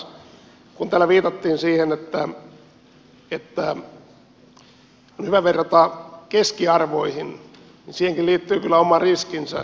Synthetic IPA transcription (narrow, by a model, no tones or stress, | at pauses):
kunt̪æːlːæʋiːt̪ɑt̪ːiːnsiːhenet̪ːæ | et̪ːæ | onhyʋæʋerːɑt̪ɑkeskiɑrʋoihin | ninsiːheŋkilliːt̪ːyːkylːæomɑrriskinsæ̰